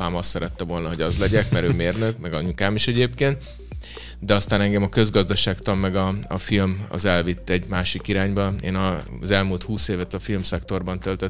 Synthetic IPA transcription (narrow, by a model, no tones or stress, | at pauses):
paːmɒst̪sːɛɾɛt̪ːɛvo̞lnɒɦo̞ɟɒzlɛɟɛkmɛɾøːmeːrnøkmɛɡɒɲukaːmiʃɛɟeːp̚keːnt̪ | d̪ɛɒst̪aːnɛŋɡɛmɒkø̞zɡɒzd̪ɒʃaːkt̪ɒmːɛɡɒɒfilmɒ̰zɛlvit̪ːɛɟmaːʃikiɾaːɲbɒeːnɒ | zɛlmult̪huːseːvɛt̪ɒfilmsɛkt̪o̞rbɒnt̪ølt̪ø